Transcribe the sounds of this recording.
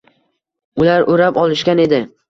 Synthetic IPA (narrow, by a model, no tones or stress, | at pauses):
ʊlaɾʔoɾapɒlˠɪʃkʲane̞d̪ɪ